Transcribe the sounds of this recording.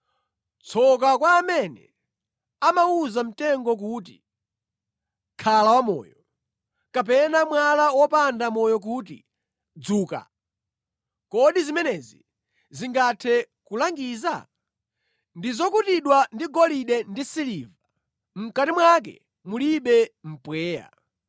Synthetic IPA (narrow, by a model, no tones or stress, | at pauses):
t͡sʰɔk̬akwaːmɛnɛ̰ | amauzam̩tɛŋɡɔk̬utḭ | kʰalawamɔ̰ːjɔ | kap̬ɛnamwalawɔpandamɔjɔk̬ut̬ḭ | d͡zuːka̰ | kɔɗizimɛnɛzi | ziŋɡatʰɛ | kulaŋɡiːza̰ | ndizɔkutiɗwandiɡɔliɗɛndisiliva | m̩katimwak̬ɛ̰ | muliɓɛm̩pwɛːja̰